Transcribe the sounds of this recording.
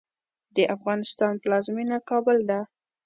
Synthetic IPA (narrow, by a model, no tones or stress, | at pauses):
d̪əʔafɣɑnɪst̪ɑnpəlɑzminakɑbəld̪a